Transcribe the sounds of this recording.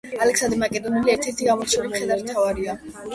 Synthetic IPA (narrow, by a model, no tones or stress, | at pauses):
alɛksand̪imakʼɛd̪ɔniliɛɾt̪ʰɛɾt̪ʰiɡamɔɾt͡ʃʰulimχʰɛd̪amt̪ʰavaɾia